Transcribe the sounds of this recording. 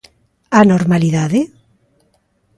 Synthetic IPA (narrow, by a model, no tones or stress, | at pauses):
anoɾmaliðaðe